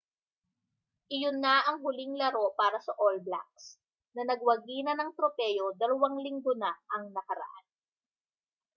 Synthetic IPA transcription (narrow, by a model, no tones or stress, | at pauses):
ʔɪjonːaʔɐŋɦʊlɪŋlɐɾo̞paːɾɐsɐʔolbla̰k̚s | nɐnɐɡwɐɡiːnɐnɐŋt̪ɾopɛjo̞d̪ɐlɐwaŋlɪŋɡonaʔɐŋnɐkɐɾɐ̰ʔa̰n